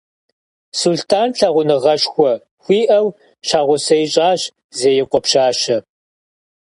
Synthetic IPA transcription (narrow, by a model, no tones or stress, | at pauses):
sultʰaːnɬʰaʁʷʊnɨʁɐʃxʷɔ | xʷiːʔɐw | ʃaːʁʷʊsɐjɕʼaːɕ | zeːjɛqʷʼɔpʃaːʃɐ